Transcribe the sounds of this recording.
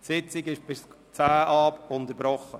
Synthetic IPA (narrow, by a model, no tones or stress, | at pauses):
sɪt͡sɪɡɪʃb̥ɪs | t͡sæːʔɑːpʊnd̪əɾbɾɔχə